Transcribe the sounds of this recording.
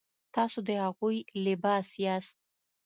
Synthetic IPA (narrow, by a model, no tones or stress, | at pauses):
t̪ɑsod̪əhaɣujlɪbɑsjast̪̚